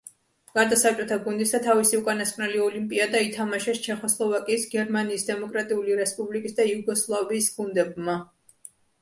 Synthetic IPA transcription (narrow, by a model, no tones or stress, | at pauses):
ɡ̥aɾd̪asap̚t͡ʃʼɔt̪ʰaɡund̪isat̪ʰavisiukʼanaskʼnɛliɔlimpʼiad̪ait̪ʰamaʃɛst͡ʃʰɛχɔslˠɔvakʼiːsɡɛɾmaniːsd̪ɛmɔkʼɾat̪ʼiuliɾɛspʼublikʼisd̪ajuɡɔslˠaviːsɡund̪ɛbma